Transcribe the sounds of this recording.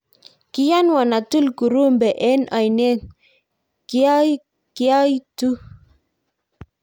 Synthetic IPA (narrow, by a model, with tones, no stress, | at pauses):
ki˦ja˦nwa˨na˨tu˦lku˨ɾu˦mbɛ˨ʔɛ˦na˨jnɛ˦ | ki˦a˦ | ki˦a˦jtu˦